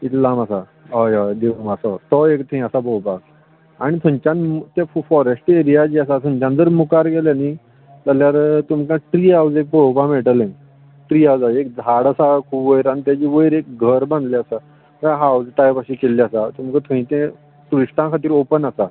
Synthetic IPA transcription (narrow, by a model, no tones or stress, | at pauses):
it̪lamasa | ajad̪eʋumasɔt̪ɔekt̪ʰõĩasabowpak̚ | aɽ̃it̪ʰũɲt͡ɕãnt̪effɔɾesʈeɾijad͡ʑiːas̬at̪ʰũɲt͡ɕãnd͡zəɾmukaɾɡɛljani | d͡zaljaɾt̪umkãʈɾiːawd͡zek̚popãmeʈəlẽ | ʈɾiːawd͡zaek̚d͡zʱaɽasakʰuːbʋəjɾanit̪jat͡ɕiːʋəjɾek̚ɡʱəɾbãnd̪liasa | aɦawd͡zt̪ajpaɕikelːiasat̪umkət̪ʰũĩt̪ẽ | t̪uɾisʈãkʰat̪iːɾopənasa